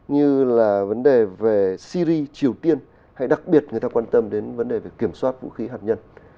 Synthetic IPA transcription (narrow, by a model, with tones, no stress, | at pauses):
ɲɨ˧laː˨˩və˨˦nɗe˨˩ve˨˩si˧zi˧t͡ɕi˨˩əwt̪i˧ən | ha̰˧˥jɗa˨˩k̚ɓi˨˩ət̚ŋɨ˨˩əjt̪aː˧waː˧nt̪ə˧mɗe˨˦nvə˨˦nɗe˨˩vkːi˧˩əmswaː˦˥t̚vṵ˧˥xi˨˦ɦaː˨˩t̚ɲə˧n